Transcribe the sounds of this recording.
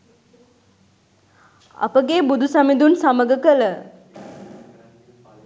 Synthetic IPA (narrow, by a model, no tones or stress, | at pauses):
a̰pəɡeːbud̪usamid̪unsaməɡəkələ